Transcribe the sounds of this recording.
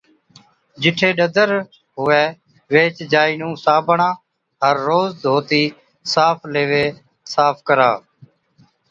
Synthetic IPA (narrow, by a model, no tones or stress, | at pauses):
d͡ʒɪʈʰeːɗəd̪əɾ | ɦʊʋeː | ʋeːt͡ʃd͡ʒaːiːnũːsaːbʱɳãː | ɦəɾːoːzd̪ʱoːt̪iː | saːpʰleːʋeː | saːpʰkəɾa̰ː